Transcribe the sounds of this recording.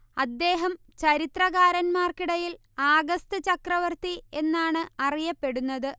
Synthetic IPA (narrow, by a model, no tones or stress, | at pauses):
ɐd̪ːe̞ːɦɐm | t͡ɕɐɾit̪rɐɣaːɾɐnmaːrkiɽɐjil | aːɡɐst̪ɨt͡ɕɐkrɐʋɐrt̪ie̞nːaːɳɨɐrijɐpːe̞ɽunːɐðɨ